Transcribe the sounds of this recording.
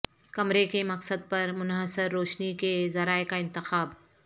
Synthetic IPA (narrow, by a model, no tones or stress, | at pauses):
kɐmɾekemɐqsəd̪̚pɐɾmʊnɦəsɪɾːoːʃnikezɐɾaːekaɪ̃nt̪ɪxaːb